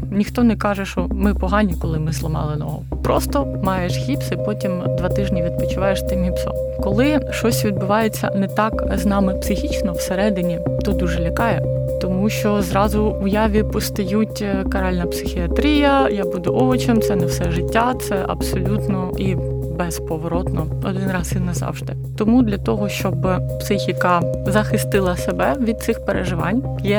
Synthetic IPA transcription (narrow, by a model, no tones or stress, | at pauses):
nʲixt̪ɔnɛkɑʒɛʃt͡ʃɔmɪpɔɦɑnʲikɔlˠɪmɪzlˠɐmɑ̰lˠɪnɔ̰ɦɔ̰pɾɔst̪ɔmɑjɛʃhʲipsipɔtʲimd̪ʋɑt̪ɪʒnʲiʋʲid̪̚pɔt͡ʃʊʋɑjeʃt̪ɪmʲipsɔ̰ | kɔlˠɪʃɔsʲʋʲid̪bʊʋɑjet͡sʲːɐ̰nɛt̪ɑkznɑmɪpsɪxʲit͡ʃnɔwseɾɛd̪ɪnʲit̪ɔd̪uʒɛlʲɐkɑjɛt̪ɔmuʃt͡ʃɔzɾɑzʊʊjɑʋʲipɔst̪ɐjutʲkɐɾɑlʲnɐpsɪxʲiɐt̪ɾʲijɐjabud̪ʊʔɔʋɔt͡ʃɛmt̪sɛnɛwsɛʒɪtʲːat̪sɛʔɐ̰psɔlʲut̪nɔi | bɛzpɔʋɔɾɔt̪nɔ | ɔd̪ɪnɾɑzʋinnɛzɑ̰wʒd̪ɪ | t̪ɔmud̪lʲɐt̪ɔɦɔʃt͡ʃɔbpsɪxʲikɐzɐxɪst̪ɪlˠɐsebɛʋʲid̪̚t̪sɪxpeɾeʒɪʋɑnʲjɛ